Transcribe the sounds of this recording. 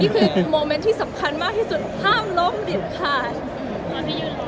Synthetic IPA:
niː˥˩kʰɯː˧moː˧me˦˥nt̪ʰiː˥˩sa˩˦mkʰa˧nmaː˥˩k̚t̪ʰiː˥˩su˨˩t̪̚kʰaː˥˩mlo˦˥mli˨˩ən̚t̪ʰaː˥˩j

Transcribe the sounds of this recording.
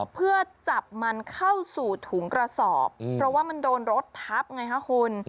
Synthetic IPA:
pʰɯ˥˩ɐt͡ɕa˨˩p̚ma˧nkʰa˥˩wsuː˨˩t̪ʰu˩˦ŋkɾa˧sɔː˨˩p̚ːʰɾɔ˦˥waː˥˩ma˧ndoː˧nɾo˦˥t̪ʰːa˦˥p̚ŋa˧jkʰa˦˥hʰo˧n

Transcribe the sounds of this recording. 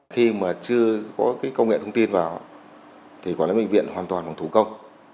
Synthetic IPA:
xi˧maː˨˩t͡ɕɨ˧əkɔ˨˦kaː˨˦jkə˧wŋɛ̰˧˨t̪ʰə˧wŋ͡mt̪i˧nvaː˨˩w | t̪ʰi˨˩kɔ˨˦na̰ː˧˦ɓḭ˧˨ŋ̟vḭ˧˨ənhaː˨˩nt̪waː˨˩nvaː˨˩wt̪u˨˧˩kə˧wŋ͡m

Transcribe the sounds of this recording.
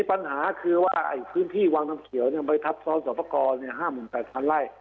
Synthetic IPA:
i˧˥˩pa˧nhaː˩˦kʰɯː˧waː˥˩ʔa̰˧˩jpʰɯː˦˥˩nt̪ʰiː˥˩waː˧ŋna˧mkʰi˨˩˦wni˥˩ɐma˧jt̪ʰa˦˥p̚sɔː˧˦˥nsɔː˨˦pa˧kɔː˧nːi˥˩ɐɦaː˥˩mːɯː˨˩˦npɛː˨˩t̪̚pʰa˧nɾa˥˩j

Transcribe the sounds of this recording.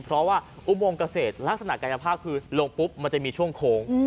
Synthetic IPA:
pʰɾɔ˦˥waː˥˩ʔu˧˩moː˧ŋka˧seː˨˩t̪̚la˦˥k̚sa˧na˨˩ʔkaː˧ja˧pʰaː˥˩p̚kʰɯː˧lo˧ŋpu˦˥p̚ma˧nt͡ɕa˨˩ʔmiː˧t͡ɕʰu˥˩əŋkʰoː˧ŋ

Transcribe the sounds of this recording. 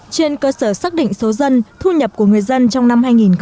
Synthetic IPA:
t͡ɕe˧nkəː˧səː˧˩saː˦˥k̚ɗḭ̈˧˨ŋ̟so˨˦zə˧nt̪ʰu˧ɲə˨˩p̚ku˧˩əŋɨ˨˩əjzə˧nt͡ɕɔ˧wŋ͡mna˧mhaː˧jŋi˨˩nx

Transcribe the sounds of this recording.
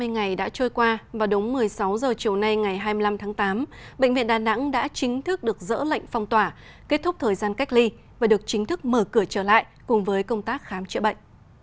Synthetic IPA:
m˧jŋa˨˩jɗa̰ː˧˥t͡ɕɔː˧jkwaː˧vaː˨˩ɗʊ˨˦wŋ͡mmɨ˨˩əjsa˨˦wzəː˨˩t͡ɕi˨˩əwna˧jŋa˨˩jɦaː˧jmɨ˧la˧mt̪ʰaː˨˦ŋt̪aː˨˦mɓə̰˧˨ŋ̟vḭ˧˨ə˨nɗaː˨˩na̰˧˥ŋɗa̰ː˧˥t͡ɕï˨˦ŋ̟t̪ʰɨ˦˥k̚ɗɨ˨˩ək̚zə̰ː˧˥lə̰˧˨jŋ̟fa˧wŋ͡mt̪waː˧˩ | ke˦˥t̚t̪ʰʊ˦˥k͡p̚t̪ʰəː˨˩jzaː˧nka˦˥jk̟̚li˧ | vaː˨˩ɗɨ˨˩ək̚t͡ɕï˨˦ŋ̟t̪ʰɨ˦˥k̚məː˧˩kɨ˧˩ət͡ɕəː˧˩la̰ː˧˨jkʊ˨˩ŋ͡mvəː˨˦jkə˧wŋ͡mt̪aː˦˥k̚xaː˨˦mt͡ɕɨ̰˧˨ɓə̰˧˨ŋ̟

